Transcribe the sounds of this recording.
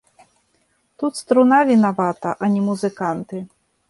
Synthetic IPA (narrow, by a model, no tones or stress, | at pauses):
t̪ut̪st̪ɾunavʲinavat̪ɐʔɐnʲɛmuzɨkant̪ɨ